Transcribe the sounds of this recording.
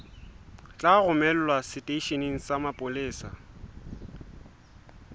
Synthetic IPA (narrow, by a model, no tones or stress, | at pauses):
t͡ɬʼaɣʊmɛl̩lwasɪtʼeiʃeniŋ̩samapʼʊleːsa